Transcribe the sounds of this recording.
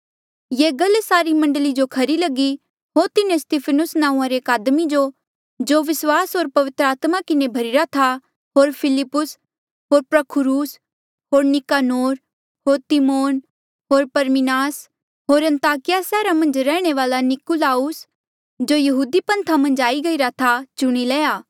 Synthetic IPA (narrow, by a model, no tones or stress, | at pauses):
jeːɡɐlsaːɾimɐ̃ɳɖəlid͡ʒokʰɐɾilɐɡi | ɦoːɾt̪ɪnẽst̪iːpʰənʊsnãːũãɾekaːd̪mid͡ʒo | d͡ʒoːʋɪswaːsɦoːɾpɐʋɪt̪ɾəaːt̪makɪnebʱɐɾɪɾat̪ʰa | ɦoːɾpʰɪlɪpːʊs | ɦoːɾpɾɐkʰʊɾuːs | ɦoːɾnɪkaːnoːɾ | ɦoːɾt̪imoːn | ɦoːɾpɐɾmɪnaːs | ɦoːɾɐ̃nt̪aːkɪjasɛːɾamɐ̃nd͡ʒɾɛːɽ̃eʋaːlanɪkulaːʊs | d͡ʒojɐɦuːd̪ipɐ̃nt̪ʰamɐ̃nd͡ʒaːiɡɐiɾat̪ʰat͡ʃʊɽ̃ilɛːjaː